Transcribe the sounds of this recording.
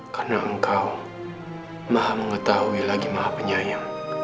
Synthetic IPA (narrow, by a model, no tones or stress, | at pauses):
kanaʔəŋkaw | mahaməŋət̪ahuilaɡimahapəɲajaŋ